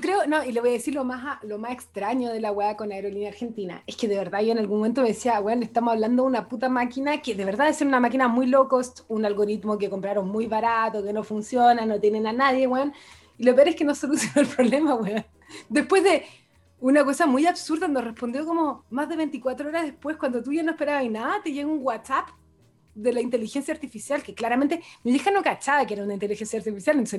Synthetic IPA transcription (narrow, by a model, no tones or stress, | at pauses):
okɾeonoile̞βo̞jaðesiɾlomaɦalomasekst̪ɾaɲoðelaweako̞naeɾo̞linjaːɾxe̞nt̪ina̰eskeðeβeɾðaʝoenalɣunmome̞nt̪̬omeesiaweneht̪amosaβland̪ounaput̪amakinakeðe̞βe̞ɾðaðeseɾunamak̬inamujlokost̪unalɣo̞ɾit̪mok̬ekompɾaɾonmujβaɾat̪okenofunsjonanot̪jenenanaðje̞ɣwen | ilop̬eoɾeskeno̞solusjo̞noelpɾoβle̞maweon | d̪e̞hpwe̞zðe̞ | unako̞samujaβsuɾðanorespo̞nd̪jo̞komomazðe̞βent̪ikwat̪ɾooɾaðehpwe̞skwand̪ot̪uʝanoehpe̞ɾaβainaðat̪eʝeɣouŋwatsap | d̪elaint̪e̞lixensjaːɾt̪ifisjalkeklaɾament̪emiðexanokat͡ʃaðakeeɾaunaint̪elixensjaːɾt̪ifisjalent̪ose